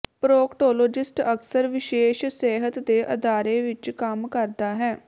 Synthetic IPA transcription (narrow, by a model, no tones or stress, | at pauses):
pɾoːkʈoːloːd͡ʒɪsʈəksəɾʋɪʃeːʃsɛːɦət̪d̪eːʔə̰d̪aːɾeːʋɪt͡ʃkəmkəɾd̪aːɦɛː